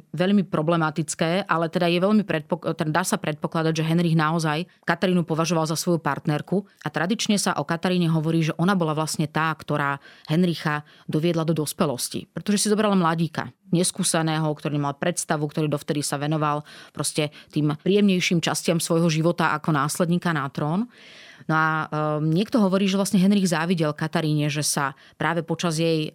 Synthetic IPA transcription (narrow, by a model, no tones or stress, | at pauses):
ʋɛʎmipɾɔblɛmat̪it͡skɛːʔalɛt̪ɛd̪ajɛʋɛʎmipɾɛt̪̚pɔt̪ɛd̪aːsapɾɛt̪̚pɔklad̪aɟʒɛɦɛnɾiɣnaɔzaj | kat̪aɾiːnupɔʋaʒɔʋalzasʋɔjupaɾt̪nɛɾkuʔat̪ɾad̪it͡ʃɲɛsaʔɔkat̪aɾiːɲɛɦɔʋɔɾiːʒɛʔɔnabɔlaʋlasɲɛt̪aːkt̪ɔɾaːɦɛnɾixa | d̪ɔʋɪɛd̪lad̪ɔd̪ɔspɛlɔscḭpɾɛt̪ɔʒɛsizɔbɾalamlaɟiːka̰ɲɛskuːsɛnɛːɦɔkt̪ɔɾiːɛmalpɾɛt̪st̪aʋukt̪ɔɾiːd̪ɔft̪ɛd̪isaʋɛnɔʋalpɾɔscɛt̪iːmpɾiːjɛmɲɛjʃiːmt͡ʃascɪamsʋɔjɦɔʒiʋɔt̪aʔa̰kɔnaːslɛd̪ɲiːkanat̪ɾɔːnnɔaɲɪɛkt̪ɔɦɔʋɔɾiːʒɛʋlasɲɛɦɛnɾiɣzaːʋiɟɛlkat̪aɾiːɲɛʒɛsa | pɾʔaːʋɛpɔt͡ʃazjɛj